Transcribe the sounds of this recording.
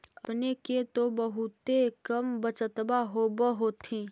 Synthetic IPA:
ɐpneket̪obəɦʊt̪ekəmbət͡ʃət̪baɦobəɦoːt̪ʰĩː

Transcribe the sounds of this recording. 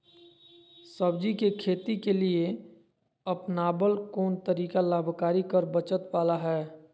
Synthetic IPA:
səbd͡ʒikekʰeːt̪ikelie | əpnaːbəlkɔːnt̪əɾiːkalaːbʱkaːɾikəɾbət͡ʃət̪waːlaɦɛː

